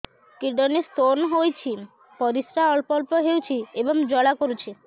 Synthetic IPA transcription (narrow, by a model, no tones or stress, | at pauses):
kiɖɔnest̪oɾnɔɦojt͡ʃʰi | pɔɾisɾaɔlpɔlpoɦeuwt͡ʃʰiebɔŋd͡ʒɔɽakoɾut͡ʃʰi